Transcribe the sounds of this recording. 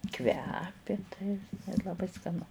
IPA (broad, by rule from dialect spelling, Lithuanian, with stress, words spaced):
ˈkʋʲæːpʲɪ tɐɪ ɪ lˠɐˈbɐɪ skɐˈnʊ